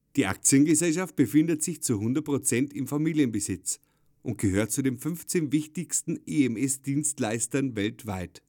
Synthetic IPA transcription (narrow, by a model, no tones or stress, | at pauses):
d̥iːʔa̰k̚t͡sjənɡəzɛlʃaft̚b̥əfɪndətz̥ɪçt͡suhʊndɐt̚pʁ̥ot͡sɛntɪmfamiːljənbəzɪt͡s | ʔʊnt̚ɡ̥əhøːɐtt͡sudeːnfʏnft͡seːnvɪçtɪçstn̩eɛmɛsd̥iːnstlaɪstɐnvɛltv̥a̰ɪt